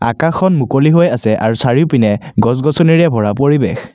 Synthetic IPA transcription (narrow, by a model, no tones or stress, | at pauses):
a̰kaxʰɔnmukoliɦojasɛʔaɹusaɹiʊpinɛɡɔs̬ɡɔsɔniɹɛbʱɔɹapoɹibex